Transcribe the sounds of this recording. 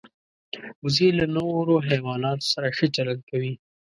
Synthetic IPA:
ʊzelanowɾoɦawɑnɑt̪o̥saɾaʃet͡ʃalankawi

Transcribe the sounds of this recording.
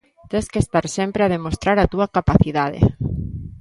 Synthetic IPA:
t̪ẽskest̪aɾsempɾeað̞emost̪ɾaɾat̪uakapaθiðað̞ḛ

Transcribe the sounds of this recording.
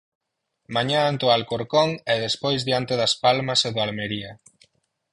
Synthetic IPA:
maɲaant̪oalkoɾkoŋɛðespojzðjant̪eðɐspalmɐseðʊalmeɾiɐ

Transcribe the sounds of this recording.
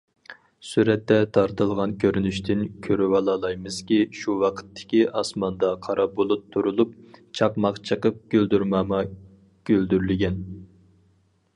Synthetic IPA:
suɾɛt̪ːɛt̪ʰɑɾt̪ɨlˠʁɑnkʲʰøɾynyʃt̪ʰɪnkʲʰøɾywɑlˠɑːlˠɑjmɨz̥kʲiʃuwɑqʰə̥t̪ʰːɪ̥kʲiʔɑsmɑnd̪ɑqʰɑɾɑbolˠup̚t̪ʰːuɾulˠup̚t͡ʃʰɑqmɑqt͡ʃʰəqəp̚ɡ̥ʲøld̪yɾmɑːmɑ | ɡ̥ʲøld̪yɾlɪɡʲɛn

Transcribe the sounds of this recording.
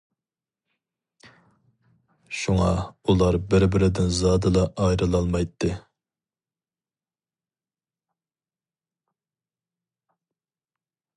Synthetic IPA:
ʃuŋɑulˠɑɾbɪɾbɪɾɪd̪ɪnzɑːd̪ɨlˠɑʔɑjɾɨlˠɑlˠmɑjt̪ʰːɨ

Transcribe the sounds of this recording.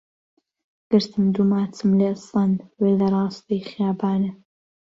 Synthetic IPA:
ɡ̥ɨɾt̪ʰɨmd̪umaːt͡sʰɨmlesɐnwelɐɾˤɑːst̪ejχjaːbaːnɨ

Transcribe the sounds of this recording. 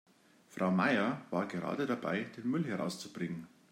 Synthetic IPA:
fʁ̥aʊmaɪɐvaːɐɡəʁa̰ːdədaba̰ɪd̥eːnmʏlɦɛɐʁa̰ʊst͡su̥b̥ʁɪŋən

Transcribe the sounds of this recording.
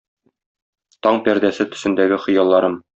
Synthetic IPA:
t̪ɒɴpæɾd̪æsɘt̪ɵ̆sɘ̆nd̪æɡɘχɤ̆jɑlˠːɑɾɤm

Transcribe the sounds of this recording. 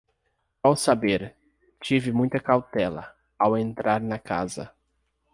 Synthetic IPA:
awsabeɾ | t͡ʃivɪmũj̃t̪ɐkawt̪ɛlɐ̰ | awẽnt̪ɾaɾnɐka̰zɐ̰

